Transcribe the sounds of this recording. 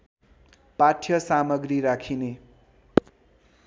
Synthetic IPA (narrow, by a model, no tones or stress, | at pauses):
paʈʰjʌsamʌɡɾiɾakʰine